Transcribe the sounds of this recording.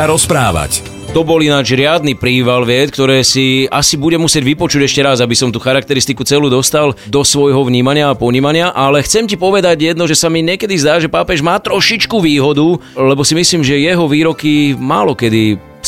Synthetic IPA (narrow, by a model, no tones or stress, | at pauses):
aɾɔspɾaːʋa̰c | t̪ɔbɔlinaːd͡ʒɾɪad̪̚nipɾiːʋalʋɪɛt̪k̚t̪ɔɾɛːsiʔasibuɟɛmusɪɛɟʋipɔt͡ʃuɟɛʃcɛɾazabisɔmt̪uːxaɾakt̪ɛɾist̪ikut͡sɛluːd̪ɔst̪ald̪ɔsʋɔjɦɔʋɲiːmaɲɪaːpɔɲiːmaɲɪaʔalɛxt͡sɛmcipɔʋɛd̪aɟjɛd̪nɔʒɛsamiɲɪɛkɛd̪izd̪aːʒɛpaːpɛʒmaːt̪ɾɔʃit͡ʃkuʋiːɦɔd̪ulɛbɔsimisliːmʒɛjɛɦɔʋiːɾɔkima̰ːlɔkɛd̪i